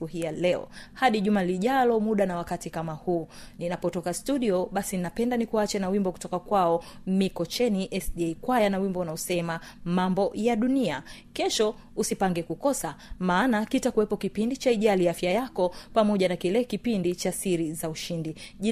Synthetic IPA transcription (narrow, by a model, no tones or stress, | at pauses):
uhijalɛɔ̰haɗiʄumaliʄalɔmuɗanawakatikamahuːninapɔtɔkastuɗiɔɓasininapɛndanikuat͡ʃɛnawimbɔku̥tɔkakwaɔmikɔt͡ʃɛniʔɛsɗiɛkwajanawimbɔunaɔsɛmamambɔjaɗunia | kɛʃɔ | usipaŋɡɛkukɔsamaːnakitakuwɛpɔkipindit͡ʃaiʄaliafjajakɔpamɔʄanakilɛkipindit͡ʃasiɾizauʃindiʄi